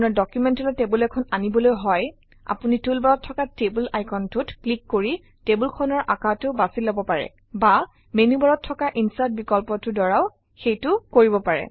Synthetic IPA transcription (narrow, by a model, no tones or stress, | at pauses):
nɔɹdɔkjumɛntɔlɔtebulɛkʰɔnanibɔlojɦɔj | a̰punitulbaɹɔtʰːɔkatebulajkʰɔntutklikːoɹi | tebulkʰɔnɔɹʔakatʊbasilobɔpaɹɛ̰ | ba | menubaɹɔtʰːɔkaʔinsat̚bikɔlpɔtʊdɔɹaw | xejtʊkoɹibɔpaɹɛ̰